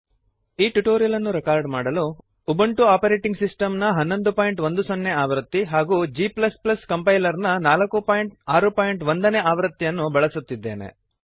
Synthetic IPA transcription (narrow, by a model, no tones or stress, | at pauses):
iːʈuʈoːɾijɐlɐnːuɾɛkaːɾɖmaːɽɐlu | ubɐɳʈuaːpɐɾeːʈiŋɡsisʈɐmnɐɦɐnːo̞nd̪upaːjɳʈʋond̪usonːeaːʋɾɐt̪ːiɦaːɡuːd͡ʒiːplɐsplɐskɐmpɐjlɐɾnɐnaːlɐkːupaːjɳʈ̚aːɾupaːjiɳʈʋond̪ɐneːaːʋɾɐt̪ːijɐnːubɐɭɐsut̪ːid̪ːe̞ːnḛ